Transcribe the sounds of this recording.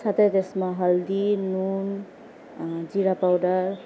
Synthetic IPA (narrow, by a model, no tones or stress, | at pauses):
sat̪ʰet̪esmaɦʌld̪inun | d͡ziɾapawdʌɾ